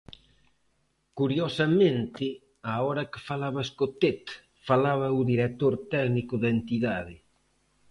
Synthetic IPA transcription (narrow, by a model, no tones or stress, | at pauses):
kuɾjosamẽnt̪ɪ | aɔɾɐkɪ̥falaβaskot̪et̪ | falaβauðiɾet̪oɾt̪ɛɣnikʊðent̪iðaðɪ